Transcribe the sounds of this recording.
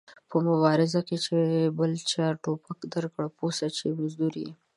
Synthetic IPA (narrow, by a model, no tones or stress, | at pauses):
pəmʊwɑɾɪzaket͡ʃebəlt͡ʃɑɾʈopakd̪əɾkɽposat͡ʃemazd̪uɾḭ